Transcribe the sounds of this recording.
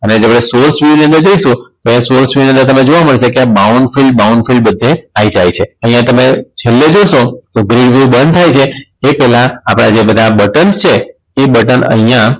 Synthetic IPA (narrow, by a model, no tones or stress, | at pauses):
əned͡ʒeapɽ̃esoɾsʋiniənd̪əɾd͡ʒoiʃũt̪ojãsoɾsiniə̃nd̪əɾt̪əmed͡ʒoʋaməɭt͡ʃʰekeabawuɳɖfilɖbauɳɖfilɖbəd̪ʱːeaid͡ʒajt͡ʃʰeəɦijãt̪əmet͡ʃʰelːed͡ʒoʃot̪oɡɾiʋjubənd̪̚t̪ʰajt͡ʃʰeepɛɦlãːpɽ̃ad͡ʒebəd̪ʱabəʈənst͡ʃʰeː | bəʈənə̰ɦjã